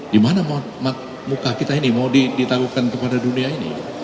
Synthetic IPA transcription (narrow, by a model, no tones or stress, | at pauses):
dimanamat̪̚mat̪̚ | mukakit̪ainimaudidit̪aɡukankəpadaduniainḭ